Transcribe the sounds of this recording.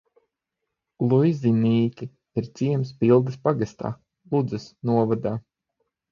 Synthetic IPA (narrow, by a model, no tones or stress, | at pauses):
lˠujzʲiniːkʲiː | ɾt̪siɛms̬pilˠd̪ɐspaɡast̪a̰ː | lˠud̪zɐsnuɔvad̪aː